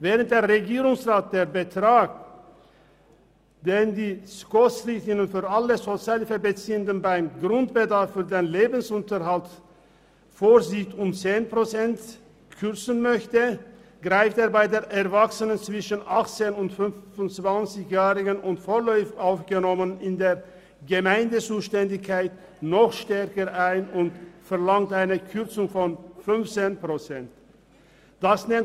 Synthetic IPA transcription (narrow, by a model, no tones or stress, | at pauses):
vɛːʁənt̚d̥eːʁeɡiːʁʊŋsʁaːt̚d̥eːʁbətʁ̥aːk | d̥eːndiːskɔsʁɪçtɪnənfyːʁaləzot͡sjaːlfəbət͡siːəndənbaɪmɡʁʊntb̥ədaɐfːyːɐdeːnleːbən̩sʊntəʁhalt | foːɾziçtʊmt͡seːnpʁot͡sɛnt | kʰʏʁt͡sən̩mœçtə | ɡ̥ʁaɪfteːɐbaɪdeːɐʔɛʁvaksənənt͡sv̥ɪʃənʔaχt͡seːnʊntfʏnfʊnt͡sv̥ant͡sɪçjɛːʁɪɡənʊntfoːɐlɔʏfʔaʊfɡ̥ənɔmənɪndeːɐ | ɡəmaɪndət͡suːʃtɛndɪçkʰaɪt | nɔχʃtɛɐkəʁʔaɪnʊntfɛʁlaŋtʔaɪnəkʰʏʁt͡sʊŋfɔnfʏnft͡seːnpʁ̥ot͡sɛnt | d̥asnɛnt